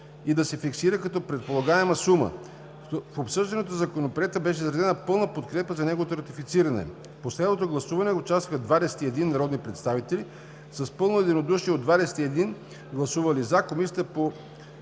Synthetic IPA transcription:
id̪ɐsɛfiksiɾəkɐt̪ɔpɾɛt̪̚polˠɐɡaɛmɐsumə̰ | fopsɤʒd̪ɐnot̪ozɐkonopɾɛt̪əbɛʃɛizɾɛd̪ɛnəpɤlˠnəpot̪kɾɛpəzɐnɛɡovot̪oɾɐt̪ifit̪siɾɐnɛ̰ | poslɛd̪not̪oɡlˠɐsuvɐnɛot͡ʃast̪vəxəd̪vad̪ɛsɛ̥t̪iɛd̪inːɐɾɔd̪nipɾɛt̪st̪avit̪ɛli | sɐspɤlˠnoɛd̪inod̪uʃiɛod̪vad̪ɛsɛ̥t̪iɛd̪in | ɡlˠɐsuvɐlizakomisʲt̪ɛpo

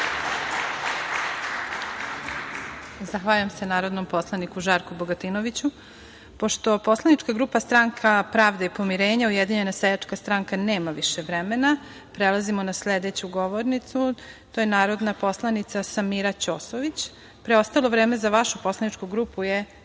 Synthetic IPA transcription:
zaxʋaːʎamse̞naːɾo̞d̪nompo̞slˠanikuʒaːɾkubo̞ɡat̪inoʋit͡ɕu | po̞ʃt̪o̞po̞slˠanit͡ʃkaɡɾuːpast̪ɾaŋkʰapɾaːʋd̪eipo̞miɾeːɲaujed̪iɲe̞nasejat͡ʂkast̪ɾaŋkane̞ːmaʋiʃeʋɾemena | pɾelˠazimo̞nasled̪et͡ɕuɡo̞ʋoɾnit̪sut̪ojenaːɾo̞d̪napo̞slˠanit̪sasamiɾat͡ɕoːsoʋit͡ɕ | pɾeo̞st̪alo̞ʋɾe̞ːme̞zaʋaʃupo̞slˠanit͡ʃkuɡɾuːpuje

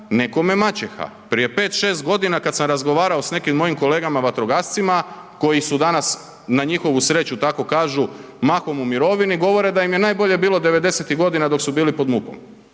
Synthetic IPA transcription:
ne̞ko̞me̞mat͡ɕexa̰ | pɾije̞pe̞ːt̪ʃe̞ːst̪̚ɡo̞d̪inakat̪samɾazɡo̞ʋaːɾao̞sne̞kimːo̞jimko̞le̞ːɡamaʋat̪ɾoɡast̪sima | ko̞jisud̪anas | naɲixo̞ʋusɾe̞t͡ɕut̪ako̞kaːʒu | maxo̞mumiɾo̞ʋiniɡo̞ʋo̞ɾe̞d̪ajimje̞naːjbo̞ʎe̞biːlˠo̞d̪e̞ʋe̞d̪e̞set̪iɡo̞d̪inad̪o̞ksubiːlipo̞d̪muko̰m

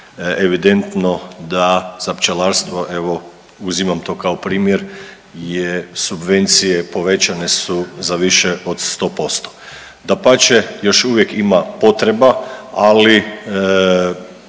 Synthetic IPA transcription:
eʋid̪e̞nt̪no̞d̪az̥apt͡ʃelaɾst̪ʋo̞ʔe̞ʋo̞ | uzimamt̪o̞ːkaopɾiːmjeɾ | jesubʋe̞nt̪sijepo̞ʋe̞t͡ʃanesuzaʋiʃeʔod̪st̪o̞ːpo̞st̪o̥ | d̪apat͡ʃejo̞ʃuʋje̞kimapo̞t̪ɾebaali

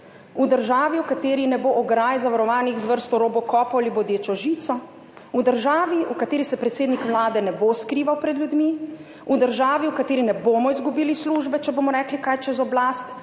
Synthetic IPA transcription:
ud̪əɾʒaːʋiwkat̪eːɾinɛboʔɔɡɾajzaʋaɾɔʋaːnixzʋəɾst̪ɔɾoːbɔkɔːpɔalibɔd̪jeːt͡ʃɔʒiːt̪sɔ | ud̪əɾʒaːʋiʔukat̪eːɾisɛpɾɛt̪seːd̪nikʋlaːd̪ɛnɛboskɾiːʋawpɾɛd̪ljud̪mi | ud̪əɾʒaːʋiukat̪eːɾinɛboːmɔizɡubiːlisluʒbɛt͡ʃɛboːmɔɾɛːklikajt͡ʃɛzɔblaːst̪

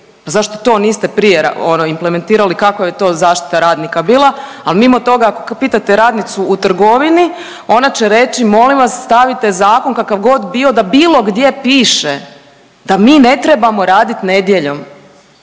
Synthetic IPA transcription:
pazaʃt̪o̞t̪o̞ːniːst̪e̞pɾijeɾa̰onoimpleme̞nt̪iːɾalikakojet̪o̞ːzaːʃt̪i̥t̪aɾaːd̪nikabiːlˠa | alˠmimo̞t̪o̞ɡaakopiːt̪at̪eɾaːd̪nit̪suut̪r̩ɡo̞ʋini | o̞nat͡ɕeɾe̞t͡ɕimo̞limʋasːt̪aʋit̪ezaːko̞nkakaʋɡo̞d̪bio̞d̪abiːlˠo̞ɡd̪je̞piːʃe | d̪̥amiːne̞t̪ɾebamo̞ɾaːd̪it̪ne̞d̪je̞ʎo̞m

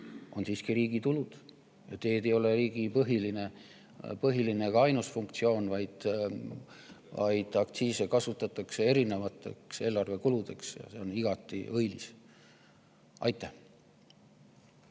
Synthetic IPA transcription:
ʔo̞̰nsiːskiɾiːɡ̥it̪ulud̪̥ | jɑt̪e̞ːd̪e̞jo̞leriːɡ̥ipɤɦiline̞ | pɤɦiline̞kɑɑjnusfuŋkt̪sio̞ːnvɑjd̪̥ | vɑ̰jd̪̥ɑkt̪siːse̞kɑsut̪ːˑɑt̪ːˑɑkse̞e̞ɾine̞vɑt̪ːˑe̞̰kse̞ːlɑrve̞kulud̪̥e̞̰ksjɑ̰se̞o̞niɡ̥ɑt̪ːˑḭʔɤjlis | ʔɑ̰jt̪ːˑæh

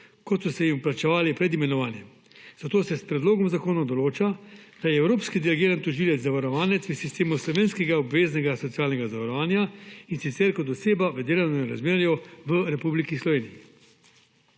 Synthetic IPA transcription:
kɔt̪sɔsɛjimpɾat͡ʃɛʋaːlipɾɛd̪imɛnɔʋaːnjɛm | z̥at̪oːsɛspɾɛd̪loːɡɔmzakoːnɔd̪ɔloːt͡ʃad̪̥ajɛːwɾoːpskid̪ɛlɛɡeːɾant̪uʒiːlɛt̪zaʋaɾɔʋaːnɛt̪sʋəsist̪eːmuslɔʋeːnskɛɡaɔbʋeːznɛɡasɔt̪sijaːlnɛɡazaʋaɾɔʋaːnjainsit̪sɛɾkɔt̪ɔseːbaʋəd̪eːlawnɔɾa̰zmeːɾjɔʋəɾɛpublikislɔʋeːniji

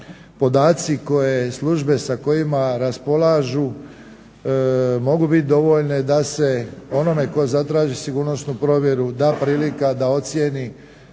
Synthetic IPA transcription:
po̞d̪aːt̪siko̞jeslˠuʒbe̞sako̞jimaɾaspo̞lˠaːʒu | mo̞ɡubit̪̚ʲd̪o̞ʋo̞ʎned̪ase̞o̞no̞me̞ko̞zat̪ɾaːʒisiɡuːɾno̞snupɾo̞ːʋʲje̞ɾud̪aːpɾiːlikad̪ao̞t̪sjeni

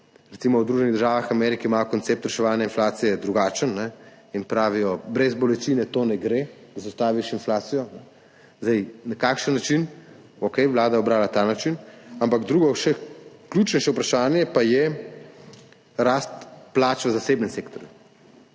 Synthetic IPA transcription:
ɾɛt̪simɔwd̪ɾuʒɛniɣd̪əɾʒaːʋaxamɛɾikimaːjɔkɔnt̪sep̚t̪ɾɛʃɛʋaːnjainflaːt̪sijɛd̪ɾuɡat͡ʃənːɛ | inpɾaːʋijɔbɾɛzbɔlɛt͡ʃinɛt̪onɛɡɾe | zast̪aːʋiʃinflaːt̪sijɔnɛ | zd̪ɛjnɐkaːkʃənːat͡ʃin | okɛjʋlaːd̪ajɛɔbɾaːwlat̪anat͡ʃinampaɡd̪ɾuːɡɔʃɛklʲjuːt͡ʃnʃɛupɾaʃaːnjɛpajɛ | ɾaːst̪plat͡ʃʋəzasebnɛnsekt̪ɔɾju

